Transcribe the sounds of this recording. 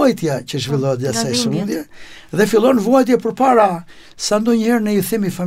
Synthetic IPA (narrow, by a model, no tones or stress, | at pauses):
jt̪jacəʒvilˠɔɛt̪̚ɟasajsəmuðjɛðɛfilˠɔnvɔjt̪̬jɛpəɾpaɾa | sand̪ɔɲəhɛɾnəjiθimifam